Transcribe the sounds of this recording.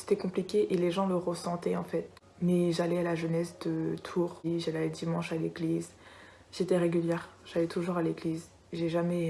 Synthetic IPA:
se̥t̪ɛkɔ̃plikʲeʔeleʒɑ̃ləʁəsɑ̃t̪ɛɑ̃fɛt̪ | mɛʒalɛalaʒənɛsd̪ət̪ʰuːʁiʒalɛlɛd̪imɑ̃ʃaleɡliz | ʒ̥et̪ɛʁeɡʲyljɛʁʒ̥alɛt̪uʒuʁaleɡliz | ʒeʒamɛ

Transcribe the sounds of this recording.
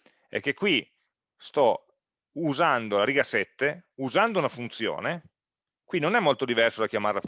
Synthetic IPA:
ɛ̰k̟ːekːwi | st̪ɔ | uzand̪olaɾiɡasɛt̪ːeuzand̪ounafunt̪sjo̰ːne | kwinonɛmːolt̪od̪ivɛrsod̪ak̟jamaɾla

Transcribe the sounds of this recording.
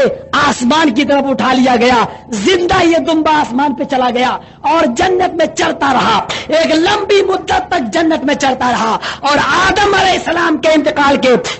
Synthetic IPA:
aːsmaːnk̬it̪̬ɐɾəfʊʈʰalijaɡɐjazɪ̃nd̪ajed̪ʊ̃mbaːsmaːnpet͡ʃɐlaɡɐja | ɔːɾd͡ʒɐnːət̪mẽt͡ʃɐɽt̪aɾɐɦaeːklɐ̃mbimʊd̪ːət̪ːɐk̚d͡ʒɐnːət̪mẽt͡ʃɐɽt̪aɾɐɦaɔːɾaːd̪əmɐlɛɪsːəlaːmkeɪ̃nt̪ɪqaːlke

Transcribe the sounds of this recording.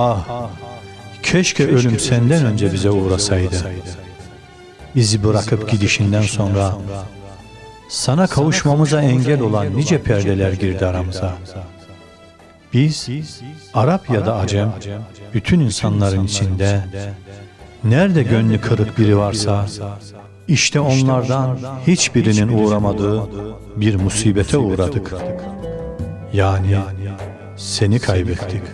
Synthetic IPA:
ah | cʰɛʃcʰɛølʲymsɛnd̪ænø̞nd͡ʒɛbizɛuːɾasajd̪ɯ | izibɯɾakʰɯpɟid̪iʃind̪ænso̞nɾa | sanakʰavuʃmamɯzaɛɲɟælʲo̞lˠanːid͡ʒɛpʰɛɾd̪ɛlʲæɾɟiɾd̪iaɾamɯzaɯ | b̥iz̥ | aɾapjad̪aːd͡ʒɛmb̥yt̪ʰyninsanlˠaɾɯnit͡ʃʰind̪ɛ | næɾd̪ɛɟønlʲykʰɯlɾˠɯkbiɾivaɾsa | iʃt̪ʰɛo̞nlˠaɾd̪anhit͡ʃbiɾininuːɾamad̪ɯː | biɾmusiːbɛt̪ʰɛuːɾad̪ɯk | jaːni | se̞nikʰajbɛt̪ːic

